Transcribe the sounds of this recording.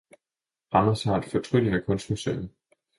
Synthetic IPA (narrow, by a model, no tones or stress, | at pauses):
ʁɑmɐsɑ̈d̥fɒt͡sʰʁyd̥ənækʰɔ̽nsd̥musø̰ːn̩